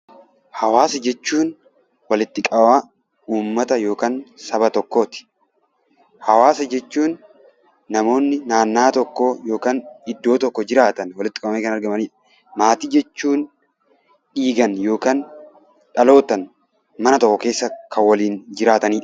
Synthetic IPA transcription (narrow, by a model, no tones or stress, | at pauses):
hɐwaːsɐd͡ʒɛt͡ʃːuːn | wɐlɪt̪ːɪkʼɐma | uːmːɐt̪ɐjo̞ːkaːnsɐbɐt̪ɔkːoːt̪ɪ̥ | hɐwaːsɐd͡ʒɛt͡ʃːuːnː | ɐmo̞ːnːɪnaːnːaːt̪ɔkːoːjo̞ːkaːnɪd̪ːo̞ːt̪ɔkːɔd͡ʒɪɾaːt̪ɐnwɐlɪt̪ːɪ̥kʼɐbɐmeːkɐnɐɾɡɐmɐniː | maːt̪iːd͡ʒɛt͡ʃːuːn | ᶑiːɡɐnjo̞ːkaːn | ᶑɐlo̞ːt̪ɐn | mɐnɐt̪ɔkːɔke̞ːsːɐkʰɐwɐliːnd͡ʒɪɾaːt̪ɐniːᶑ